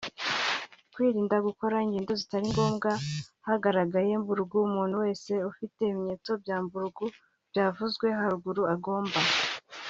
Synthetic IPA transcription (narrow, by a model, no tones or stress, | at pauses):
kwiːɾiːndaɡuko̞ɾaiŋɡiːndo̞zitaɾiŋɡo̞ːmɡahaɡaɾaɡaje̞mbuɾuɡuumuːn̥huwe̞ːse̞ufite̞imiɲeːt͡so̞bjaːmbuɾuɡu | bjaːvuzɡwe̞ɦaɾuɡuɾuaɡo̞ːmba